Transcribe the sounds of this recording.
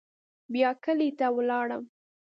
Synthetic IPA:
bjɑkəlet̪awlɑɽəm

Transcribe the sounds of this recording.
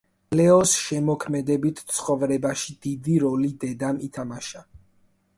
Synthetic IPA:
lɛɔsʃɛmɔkʰmɛd̪ɛbit̪ʰt̪sʰχɔvɾɛbaʃid̪id̪iɾɔlid̪ɛd̪amit̪ʰamaʃa

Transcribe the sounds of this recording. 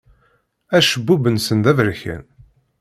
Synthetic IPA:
æʃəbːubənsənd̪ævɾçæ̰n

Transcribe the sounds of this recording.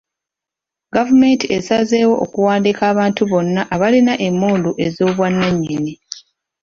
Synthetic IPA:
ɡavume̞ntiesaze̞ːwo̞ʔokuwaːndikaːβaːntuβo̞nːaʔaβalinaʔe̞mːoːnduʔezo̞ːβwanːaɲːini

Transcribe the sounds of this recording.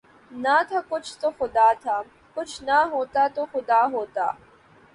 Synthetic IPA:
nat̪ʰakʊt͡ʃʰt̪oxʊd̪aːt̪ʰa | kʊt͡ʃʰnaɦoːt̪at̪oxʊd̪aːɦoːt̪a̰ː

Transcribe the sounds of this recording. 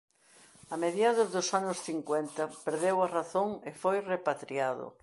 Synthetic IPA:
ameðjaðʊzðʊsanʊsθiŋkwɛnt̪ɐpeɾðewaraθoŋɪfojrepat̪ɾiaðʊ̰

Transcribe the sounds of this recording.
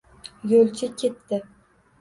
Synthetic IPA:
jolt͡ʃʰɪkʲʰe̞t̪ʰːɪ

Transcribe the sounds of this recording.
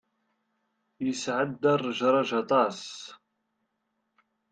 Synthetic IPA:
jəsʕəd̪ːɑrˤːəʒɾˤɑʒɑt̪ˤɑs

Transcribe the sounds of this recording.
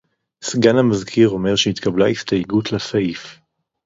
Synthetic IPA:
sɡanhamazkʰiʁo̞me̞ʁʃeit̪kablaist̪ajeɡutlasaif

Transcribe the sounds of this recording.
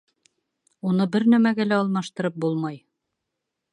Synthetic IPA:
unɤbɘɾnæmæɡælæɑlˠmɑʃt̪ɤ̆ɾɤp̚bulˠmɑj

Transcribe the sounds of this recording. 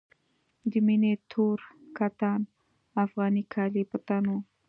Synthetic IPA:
d̪iminet̪ʰuɾkat̪an | afɣanikʰalipət̪anu

